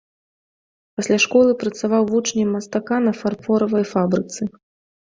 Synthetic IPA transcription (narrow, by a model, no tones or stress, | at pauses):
pɐsʲlʲaʂkɔlˠɨpɾɐt̪savawvut͡ʂnʲimɐst̪akanɐfarfɔɾɐvɐjfabɾɨt̪sɨ